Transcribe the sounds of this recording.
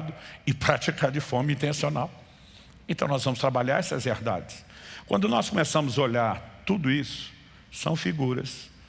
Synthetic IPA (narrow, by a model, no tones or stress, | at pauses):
d̪ʊɪpɾat͡ʃikaɾd͡ʒɪfɔɾmɐĩnt̪ẽsionaw | ẽnt̪ɐ̃w̃nɔzvɐ̃mʊst̪ɾabaʎaɾɛsɐzveɾd̪a̰d͡ʒɪskwɐ̃nd̪ʊnɔskomesɐ̃mʊzoʎaɾt̪ud̪ʊisʊ̥ | sɐ̰̃w̃fiɡuɾɐ̰s